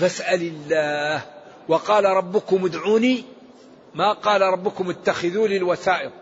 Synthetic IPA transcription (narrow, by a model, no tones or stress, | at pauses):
fasʔalɪlːaːh | wɑqɑːlaɾˤɑbːʊkʊmʊd̪ʕuːniː | maqɑːlɾˤɑbːʊkʊmʊt̪ːaxɪðuːlɪlwaθaːʔɪq̚